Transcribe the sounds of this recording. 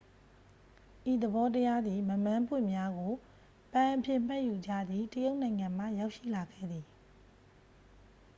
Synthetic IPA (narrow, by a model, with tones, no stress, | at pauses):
ʔi˨d̪ə˨bɔ˦təja˦d̪ði˨mə˨mã˦mpwɪ̰̃˦˨mja˦ɡo˨ | pã˨ʔəpʰjɪ̃˦˨m̥ɛ˦ʔju˨d͡ʑä̰˦˨d̪ði˦˨təjo˦ʊʔnã˨ɪ̃ŋã˨m̥ä̰˦˨ja˦ʊʔʃḭ˦˨la˨ɡɛ̰˦˨d̪i˨